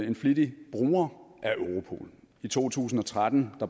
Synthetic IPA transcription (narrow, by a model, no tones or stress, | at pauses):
e̝nflid̥ib̥ʁṵːɐʔæʔøʊʁo̝pʰo̝̰ːl | it͡sʰo̝̰ːt͡sʰṵːsn̩ɒ̽t͡sʰʁad̥n̩d̥ɑ̈